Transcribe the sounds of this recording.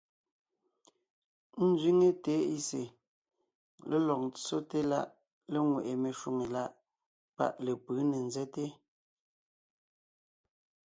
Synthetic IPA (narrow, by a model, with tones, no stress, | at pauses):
n̩˦zɥi˦ŋe˦te˨˦i˦sḛ˨ | le˦lɔ˨k̚t͡so˦te˦la˦ʔ | le˦ŋwe˨ʔe˨me˨ʃu˨ŋe˨la˦ʔ | pa̰˦ʔle˨pɨː˨˦ne˨nzɛ˦te˦